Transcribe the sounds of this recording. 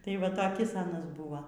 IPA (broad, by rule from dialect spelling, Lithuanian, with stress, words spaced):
tɐɪ ˈʋɐ tɐˈkʲɪs ˈɑːnɐs ˈbʊʋɐ